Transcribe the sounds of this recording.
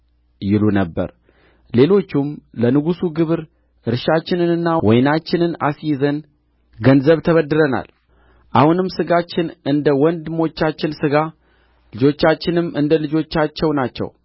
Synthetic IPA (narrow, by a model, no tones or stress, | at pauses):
jɪlunəbːə̰ɾ | le̞lo̞t͡ʃːumlənɨɡusuɡɨβɨɾ | ʔɨɾʃat͡ʃːɪnɨnɨnːawɔjnat͡ʃːɪnɨna̰sjzən | ɡənzəβt̪ʰəβəd̪ːɨɾəna̰l | ʔahunɨmsɨɡat͡ʃːɪnɨnd̪əwɔnd̪ɨmo̞t͡ʃːat͡ʃːɪnsɨɡa | lɨd͡ʒo̞t͡ʃːat͡ʃːɪnɨmɨnd̪əlɨd͡ʒo̞t͡ʃːat͡ʃːɛwnat͡ʃːɛ̰w